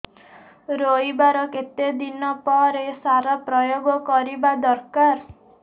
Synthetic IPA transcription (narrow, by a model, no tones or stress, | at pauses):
ɾoibaɾɔket̪ed̪inɔpɔɾesaɾɔpɾɔjoɡɔkɔɾibad̪ɔɾkaɾ